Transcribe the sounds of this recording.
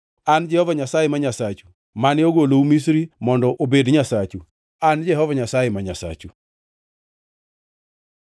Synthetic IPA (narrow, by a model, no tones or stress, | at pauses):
and͡ʒɛhɔvaɲasajemaɲasat͡ʃu̥ | manɪoɡoloumisɾimɔndɔʔobedɲasat͡ʃu | and͡ʒɛɦɔvaɲasajemaɲasa̰t͡ʃu